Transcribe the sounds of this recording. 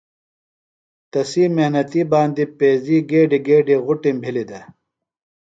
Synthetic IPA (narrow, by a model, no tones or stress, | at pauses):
t̪ɐsiːmehnɐt̪ibaːnd̪ipeːziːɡeːɖiɡeːɖiɣuʈĩmbʱilid̪ɐ